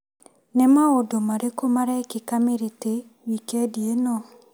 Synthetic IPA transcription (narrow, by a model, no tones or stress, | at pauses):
nemaodomaɾekomaɾaekekameɾete | wikɛdienɔ